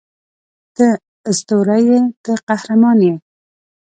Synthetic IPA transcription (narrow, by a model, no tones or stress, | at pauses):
t̪ə | ɪst̪oɾajet̪əqahɾamɑnje